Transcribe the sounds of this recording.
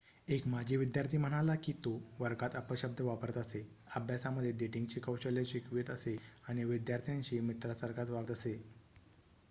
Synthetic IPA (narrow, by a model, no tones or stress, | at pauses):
ekmad͡ʑʱiʋid̪jaɾt̪ʰiːm̤əɽ̃alakiːt̪oʋəɾɡat̪əpəɕəb̚d̪ʱəʋapəɾət̪əse | əbʱjasaməd̪ʱːjed̪eʈiŋɡt͡ɕiːkəwɕəljaɕikʋit̪əseaɽ̃iʋid̪jaɾt̪ʰijãɲt͡ɕiːmit̪ɾasəɾkat̪ʋaɡ̚t̪əse